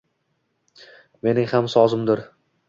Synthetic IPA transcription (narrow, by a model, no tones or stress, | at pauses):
me̞nɪŋhamsɒzɪmd̪ɪɾ